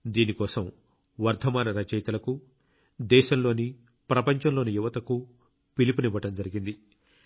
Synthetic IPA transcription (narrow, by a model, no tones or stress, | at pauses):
d̪iːnikɔːsɐm | ʋɐɾd̪ʰʱɐmaːnɐɾɐt͡ʃɛjt̪ɐlɐku | d̪ɛːʃɐmlo̞ːni | pɾɐpɐɲt͡ʃɐmlo̞ːnijuʋɐt̪ɐku | pilipuniʋɐʈɐmd͡ʒɐɾiɡind̪i